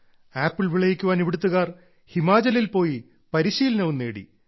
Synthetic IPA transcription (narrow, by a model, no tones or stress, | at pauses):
aːpːiɭʋiɭɐjikʲːuʋaːneʋiɽut̪̬ːuɣaːr | himaːd͡ʑɐlilpo̞ːji | pɐɾiɕiːlɐnɐʋunːeːɽḭ